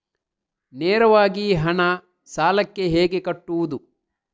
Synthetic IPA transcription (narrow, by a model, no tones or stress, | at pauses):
neːɾɐʋaːɡiɦɐɳɐ | saːlɐkːe̞ɦeːɡe̞kɐʈːuʋud̪u